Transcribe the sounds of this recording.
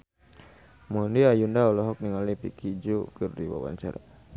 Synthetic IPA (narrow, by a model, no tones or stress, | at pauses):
mɔndiajundaɔlɔɦɔk̚niŋalipikʰid͡ʒukɨrdiwa̰wa̰ɲt͡ʃa̰ɾa̰